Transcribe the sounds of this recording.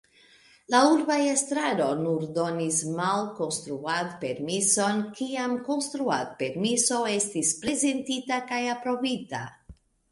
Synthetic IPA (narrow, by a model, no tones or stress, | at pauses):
lauɾbajest̪ɾaɾo̞nuɾdo̞nismalko̞nst̪ɾuat̪pe̞ɾmiso̞nkiamko̞nst̪ɾuat̪̚pe̞ɾmiso̞e̞stispɾe̞ze̞ntitakajapɾo̞vita̰